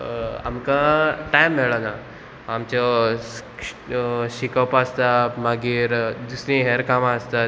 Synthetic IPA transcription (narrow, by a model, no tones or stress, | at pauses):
a̰mkãʈajmːeɭana | amt͡ɕɔ | ɕikawpast̪amaɡiɾd̪usɾĩɦeɾkamast̪a